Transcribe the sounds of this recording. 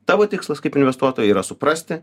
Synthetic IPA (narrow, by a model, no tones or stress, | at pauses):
t̪ɑːʋoːt̪ʲɪkslˠɐskɐɪpɪnʲʋʲɛst̪uɔt̪oːjɛiːɾɐsʊpɾɐsʲt̪ʲɪ